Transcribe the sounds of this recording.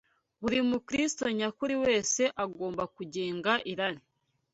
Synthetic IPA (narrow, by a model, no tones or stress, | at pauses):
βuɾimukɾisi̥to̞ɲakuɾiwe̞ːse̞ʔaɡo̞ːmbakuɟeːŋɡaʔiɾaɾi